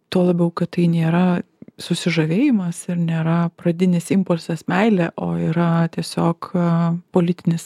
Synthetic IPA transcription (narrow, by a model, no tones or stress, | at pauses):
t̪oːlˠɐbʲɛʊkɐtt̪ɐɪnʲeːɾɐ | sʊsʲɪʒɐʋʲeːjɪmɐsɪɾnʲeːɾɐpɾɐd̪ʲɪnʲɪsɪmpʊlʲsʲɛsmʲɛɪlʲeːʔoːiːɾɐt̪ʲiɛsʲoːkpoːlʲɪt̪ʲɪnʲɪs